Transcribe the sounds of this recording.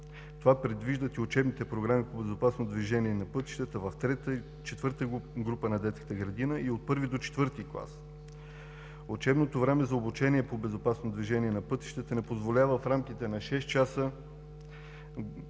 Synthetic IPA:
t̪ovapɾɛd̪viʒd̪ət̪iʊt͡ʃɛbnit̪ɛpɾoɡɾamipobɛzopasnod̪viʒɛniɛnɐpɤt̪i̥ʃt̪ət̪əvɐft̪ɾɛt̪ | t͡ʃɛt̪vɤɾt̪əɡɾupənɐd̪ɛt̪skə̥t̪əɡɾɐd̪inəiot̪̚pɤɾvid̪ot͡ʃɛ̥t̪vɤɾt̪iklˠa̰s | ot͡ʃɛbnot̪ovɾɛmɛzɐobut͡ʃɛniɛpobɛzopasnod̪viʒɛniɛnɐpɤt̪i̥ʃt̪ət̪ənɛpozvolʲavəfɾamk̟it̪ɛnɐʃɛst̪t͡ʃasə

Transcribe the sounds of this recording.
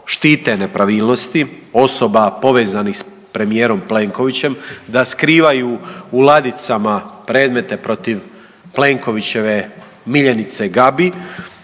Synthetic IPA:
ʃt̪iːt̪e̞ne̞pɾaʋiːlno̞st̪i | o̞so̞bapo̞ʋe̞ːzanixs | pɾe̞mijeːɾo̞mple̞ːŋko̞ʋit͡ɕe̞md̪askɾiːʋajuːulˠad̪it̪samapɾe̞ːd̪me̞t̪e̞pɾo̞t̪iʋ | ple̞ŋko̞ʋit͡ɕe̞ʋe̞ | miʎenit̪se̞ɡabi

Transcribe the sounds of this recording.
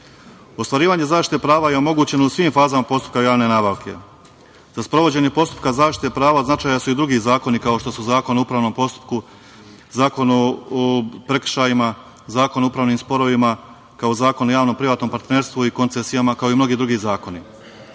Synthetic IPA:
o̞st̪ʋaɾiːʋaːɲe̞zaːʃt̪it̪epɾaːʋaje̞o̞mo̞ɡuːt͡ɕe̞nousʋiːmfaːzamapo̞st̪u̥p̚kajaːʋne̞naːbaʋkʰe̞̰ | z̥aspɾo̞ʋo̞d͡ʑe̞ɲe̞po̞st̪u̥p̚kazaːʃt̪i̥t̪epɾaːʋaznat͡ʃaːjasuid̪ɾuɡizaːko̞nikao̞ʃt̪o̞suzaːko̞noupɾaːʋno̞mpo̞st̪u̥p̚ku | zaːko̞no | pɾekr̥ʃaːjima | zaːko̞naupɾaːʋniːmspo̞ɾo̞ʋima | kaozaːkonojaːʋnompɾiʋaːt̪no̞mpaɾt̪ne̞ːɾst̪ʋuiko̞nt̪esijamakaoimno̞ɡid̪ɾuɡiːzaːko̞ni

